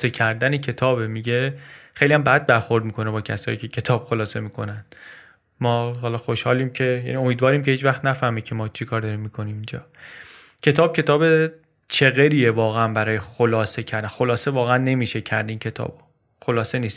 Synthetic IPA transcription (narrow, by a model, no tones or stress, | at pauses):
secʰæɾd̪ænecʰe̞t̪ʰɒːbemiɟe̞xejlijæmbæd̪̚bæɾxo̞ɾd̪̚miːkʰo̞nebɒːcʰæsɒ̰ːiːcʰe̞cʰe̞t̪ʰɒːb̥xolɒːse̞miːkʰo̞næn | mɒːɦɒːlɒːxo̞ʃhɒːliːmcʰe̞jæ̰nio̞miːd̪vɒːɾiːmcʰe̞hiːt͡ʃvæχt̪næfæhmiːcʰemɒːt͡ʃʰikʰɒːɾd̪ɒːɾiːmːikʰo̞niːmind͡ʒɒ̰ː | cʰe̞t̪ʰɒːb̥̚cʰe̞t̪ʰɒːbe | t͡ʃʰe̞ɣeɾiːjevɒːɣeænbæɾɒːjexolɒːse̞cʰæɾd̪ænxolɒːsevɒːɣeænːe̞miːʃe̞cʰæɾd̪eiːncʰe̞t̪ʰɒ̰ːbo̥ | xolɒːse̞niːst̪